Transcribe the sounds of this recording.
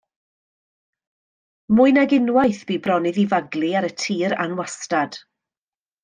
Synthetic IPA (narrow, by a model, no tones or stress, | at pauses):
mʊɨnaɡɪnwajθb̥iːbrɔnɨðivaɡlˠiaɾətʰiːɾa̰nwastad̥